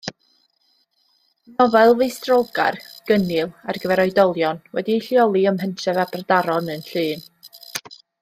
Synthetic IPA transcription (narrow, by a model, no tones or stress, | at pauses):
nɔvɛlˠvɨɨstrɔlˠɡa̰rɡ̥ənɪlˠarɡəvɛɾɔɨdɔlˠjɔnwɛ̰diɬjɔlˠiəmɦəntʰɛvabradaɾɔnənɬɨːn